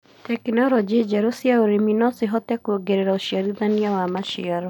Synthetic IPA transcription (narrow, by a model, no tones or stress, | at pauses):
tɛknɔɾɔd͡ʒid͡ʒɛɾusiaoɾiminɔsiɦɔtɛkuoɡɛɾɛɾauʃiaɾiðaniawamaʃiaɾɔ